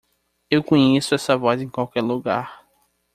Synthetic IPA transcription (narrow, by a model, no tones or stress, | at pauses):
ewkõɲesʊɛsɐvɔzẽkwawkɛɾluɡa̰ɾ